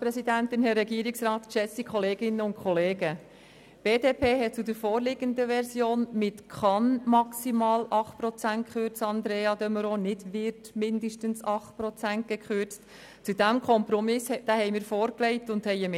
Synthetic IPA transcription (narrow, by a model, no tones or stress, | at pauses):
pɾɛsidæntɪnhɛrːɛɡiəɾɪksɾɑːt̪ʃɛsikʰχɔleːɡɪnəʊnkʰχɔleːɡə | b̥eːdeːpʰeːɦɛt̚t͡sudəɾfoːɾlɪɡənd̪əʋɛɾsjoːnmɪtkʰɑnmɑksimɑːlʔɑχtpɾɔt͡sænt̚kχøɾt͡sɑnd̪ɾeːɑd̪œməɾonɪdʋɪɾtmɪndəʃtənsɑχt̚pɾɔt͡sænt̚ɡ̥ɛkχøɾt͡st | t͡sudæmkʰɔmpɾɔmɪsd̥æhɛɪmɪːɾfoːɾklɛɪtʊnd̥hɛɪəm